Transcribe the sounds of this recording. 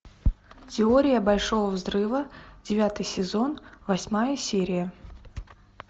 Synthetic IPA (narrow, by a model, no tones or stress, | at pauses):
tʲɪoɾʲɪjəbɐlʲʂo̞vəvzrɨvədʲɪvʲat̪ɨjsʲɪzo̞nvɐsʲmajəsʲeɾʲɪjə